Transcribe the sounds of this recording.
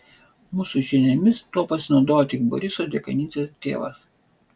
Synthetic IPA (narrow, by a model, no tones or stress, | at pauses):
muːsʊʒʲɪnʲɛmʲɪst̪uɔpɐsʲɪnɒʊd̪oːjot̪ʲɪk̚bɔ̰ɾʲɪsoːd̪ʲeɛkɐnʲiːt͡s̪ʲest̪ʲḛːʋɐ̰s